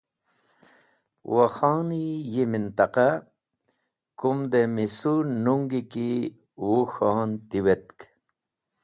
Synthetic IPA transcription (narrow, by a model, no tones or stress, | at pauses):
waxɑːnijimint̪aqa | kumd̪emisunuŋɡiki | wuxaːnt̪iwet̪̚k